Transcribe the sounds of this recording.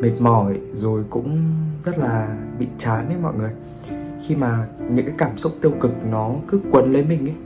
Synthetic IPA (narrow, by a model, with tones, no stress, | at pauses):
mi˨˩ŋ̚mɔ˧˩jzo˨˩jkʊ̰˧˥ŋ͡mzə˦˥t̚laː˨˩ɓḭ˧˨t͡ɕaː˨˦nə˨˦mɔ̰˧˨jŋɨ˨˩əj | xi˧maː˨˩ɲɨ̰˧˥ŋkaː˨˦kaː˧˩msʊ˦˥k͡p̚t̪i˧əwkɨ˨˩k̚nɔ˨˦kɨ˨˦kwə˨˩nlə˨˦jmï˨˩ŋ̟ʔə˨˦